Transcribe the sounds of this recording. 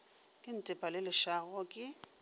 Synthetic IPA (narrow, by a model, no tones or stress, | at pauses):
kʼɪn̩tʼɪpʼalɪlɪʃaɣɔkʼɪ